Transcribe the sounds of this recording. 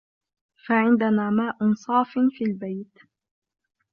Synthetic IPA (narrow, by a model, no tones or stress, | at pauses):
faʕɪnd̪anaːmaːʔʊnsˤɑːfɪnfiːlbajt̪